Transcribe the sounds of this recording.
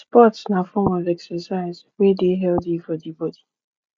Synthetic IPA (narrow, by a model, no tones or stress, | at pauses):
spɔtsnafɔmɔvɛksəsaɪzwedeɦɛldifɔdibɔdi